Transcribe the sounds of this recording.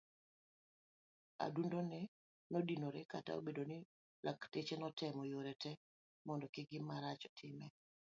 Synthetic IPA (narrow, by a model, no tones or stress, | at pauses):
a̰dundonɛ | nodinoɾɛkata̰o̰bedonɪ | lʔaktet͡ʃenɔtʰɛmɔjoɾɛtɛ | mɔndɔkɪɡɪmaɾat͡ʃɔ̥tʰɪmɛ